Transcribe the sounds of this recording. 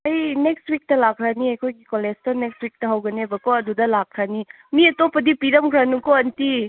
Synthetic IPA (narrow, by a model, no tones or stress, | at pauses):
ɐjnekstwik̚tɐlakʰɾaniɐjkʰojɡikolestɐnek̚stwik̚tɐɦɐwɡɐnebɐkoɐdudɐlak̚ʰɾani | miɐtopɐdipiɾɐmkʰɾanukoɐnti